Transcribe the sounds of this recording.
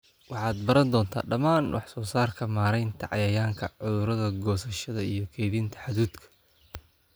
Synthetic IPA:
wɑħɑːd̪bɐɾɐnd̪ɔːnt̪ʰa̰ːɖɐmaːnwɑħsɔːsaːrkʰɐmaːɾɛjnt̪ʰɐʕɑ̰jɐjaːŋkʰɐʕʊðʊɾɐðɐɡɔːsɐʃɐðɐijɞkʰɛːðint̪ʰɐ̥ħaðuːd̪kʰɐ̥

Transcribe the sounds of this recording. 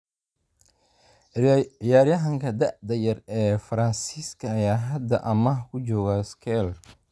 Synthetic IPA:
ɪjaːɾjɐɦɐŋkʰɐd̪ɐʔd̪ɐjɐrɛːfɐɾɐnsiskʰɐːjaːɦɐd̪ɐʔɐmɐhkʰʊd͡ʒɔːɣɐskʰɛl

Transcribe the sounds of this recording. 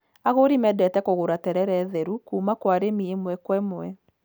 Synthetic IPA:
aɣoɾimɛdɛtɛkoɣoɾatɛɾɛɾɛːðɛɾukuːmakwaɾemiemwɛkwɛmwɛ

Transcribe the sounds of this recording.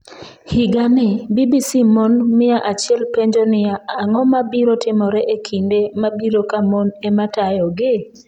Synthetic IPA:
hiɡanɪbibisimɔnmɪaʔat͡ʃɪɛlpeɲd͡ʒonɪjaaŋɔmabiɾotɪmɔɾɛʔekʰindemabiɾokamɔnematajɔɡɪ

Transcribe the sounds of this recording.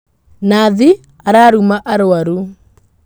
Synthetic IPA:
naði | aɾaːɾumaʔaɾoaɾu

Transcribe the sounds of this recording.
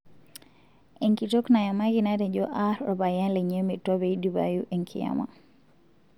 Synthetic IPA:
ɛŋkitɔknajamakinaɾɛd͡ʒɔʔaɾɔbajanlɛɲɛmitɔβɛiduba̰juʔɛŋkʰḭja̰ma̰

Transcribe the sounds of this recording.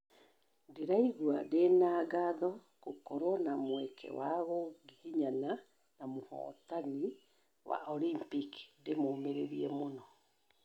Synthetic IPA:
deɾaiɣuadenaːɡaðɔ | kokɔɾwɔnamwɛkʰɛ̰waɣɔɡihiɲana | namohɔ̰ːtani | wa̰ʔolimpikndemoːmeɾeɾiɛmonɔ

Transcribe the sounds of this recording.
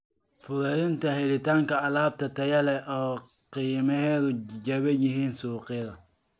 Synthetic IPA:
fʊɾɐðɪnt̪ʰɐhɛlɪt̪aːŋkɐɐlaːb̚t̪ʰɐt̪ʰɐjɐlɛʔɔː | qiːmɛhɛːðʊd͡ʒɐβɛjɪɦiːnsuːqɪðɐ

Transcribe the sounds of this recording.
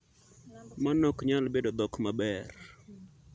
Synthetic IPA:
manɔkɲalbedod̪ɔkmabɛr

